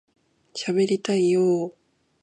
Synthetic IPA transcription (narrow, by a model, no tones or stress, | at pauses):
ɕaβe̞ɾit̪aijoː